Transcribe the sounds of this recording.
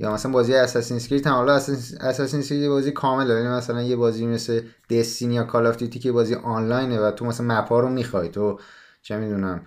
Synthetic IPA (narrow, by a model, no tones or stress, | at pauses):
jɒ̰ːmæsælænmbɒːzijeæsæsinskɾit̪ʰænhɒlɒæsæsæsinskɾit̪jebɒːzikʰɒːme̞ljnimæsælænje̞bɒːzijmesled̪̥est̪injɒːkʰɒlɒft̪ʰit̪ʰiːcʰejebɒːzijʔɒnlɒjnevæt̪ʰomæsænmæpʰɒːɾomiːxɒjt̪ʰo | t͡ʃʰe̞mid̪unæm